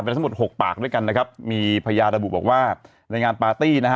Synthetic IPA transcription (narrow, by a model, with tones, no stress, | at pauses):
pe˧t̪ʰa˥˦mo˨˩t̪̚ho˨˩k̚pa̰ː˨˩k̚du˥˩jka˧nːa˦˥kʰa˦˥p̚miː˧pʰa˧a˧jaː˧nɾa˧bu˨˩bɔː˨˩k̚waː˥˩ | ɾa˧jŋaː˧npaː˧t̪iː˥˩na˦˥˦